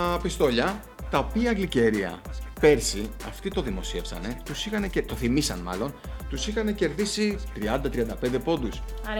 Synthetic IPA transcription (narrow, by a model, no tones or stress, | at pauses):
pist̪o̞ʎɐ | t̪ɐopiɐːɡlice̞ɾiɐ̰pe̞ɾsiɐ̰ft̪it̪o̞ðimo̞sie̞fsɐ̰ne̞t̪usixɐne̞cet̪o̞θimisɐ̰nmɐ̰lo̞nt̪usixɐne̞ce̞ɾðisit̪ɾiɐnd̪ɐt̪ɾiɐnd̪ɐpend̪e̞po̞nd̪us